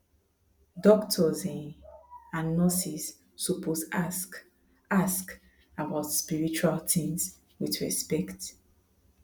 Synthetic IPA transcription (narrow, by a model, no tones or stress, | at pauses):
dɔktʰɔzɛ̃n | ãnːɔsisː | upʰos | ask | abaʊtspiɹit͡ʃualtĩŋs | wiðɹɛspɛkt